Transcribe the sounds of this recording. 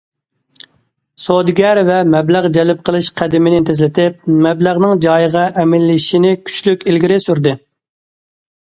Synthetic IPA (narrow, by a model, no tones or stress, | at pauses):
sod̪ɡʲɛɾvɛmɛblæʁd͡ʒɛlɪp̚qʰəlˠɨʃqʰæd̪ɪmɪnɪt̪ʰezlɪt̪ɪp̚mɛblæʁnɨŋd͡ʒɑjəʁɑʔɛmɪlːɪʃinɪkʲʰy̥t͡ʃlykʲilɡʲiɾɪsyɾd̪ɨ